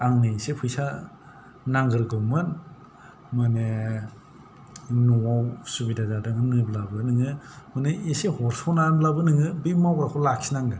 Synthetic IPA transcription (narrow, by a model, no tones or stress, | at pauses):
aŋnɯsepʰɯjsa | naŋɡɯɾɡɯwmɯn | mane | nuawsubidazadaŋɯmnɯblabɯnɯŋɯmɯneisehɔɾsɔnanblabɯnɯŋɯbimawɾakʰɔlakʰsinaŋɡɯ